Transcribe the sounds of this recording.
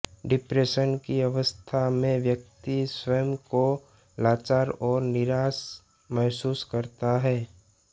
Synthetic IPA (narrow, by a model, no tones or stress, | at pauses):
ɖɪpɾeːʃənkiɐʋəst̪ʰamẽʋjək̚t̪iswəjəmko | laːt͡ʃaːɾɔːɾnɪɾaːs | mɛɦsuːskəɾt̪aɦɛː